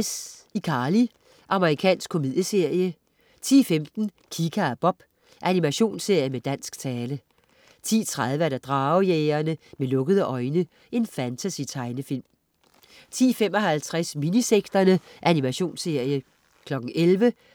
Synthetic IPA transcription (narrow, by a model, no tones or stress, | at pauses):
sikʰɑ̈ːli | ʔɑ̈məʁikʰɛ̰ːnsɡ̥̚kʰo̝miðˠjəse̝ɐ̰jə | t͡sʰḭːfemd̥n̩ | kʰikʰæb̥ɒ̽b̥ | ʔænimæɕo̝̰ːnse̝ɐ̰jəmed̥æn̰sɡ̥t͡sʰɛːlə | t͡sʰḭːt͡sʰʁað̞ˠʋəæɾ̥ɑd̥ʁɑ̈ːʊjeːɐnəmelɔ̽ɡ̥əðˠəʔɒ̽ɪnə | e̝nfænt͡sʰæsit͡sʰɑ̈ɪnəfil̰m | t͡sʰḭːfemɒ̽ɦælt͡sʰʁasminiseɡ̥d̥ɐnəʔænimæɕo̝̰ːnse̝ɐ̰jə | kʰlɒ̽ɡ̥̚n̩ʔelʋə